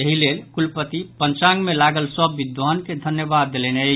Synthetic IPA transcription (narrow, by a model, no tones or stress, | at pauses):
jəɦilelkulpət̪ipənt͡ʃãŋɡmelaɡəlsəbːid̪ʋanked̪ʱənjəbad̪ːelɛnə